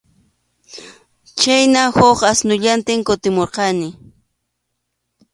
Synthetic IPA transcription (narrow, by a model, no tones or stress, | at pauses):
t͡ʃajnahoqasnʊʎant̪ɪŋkʊt̪ɪmoɾqɑnɪ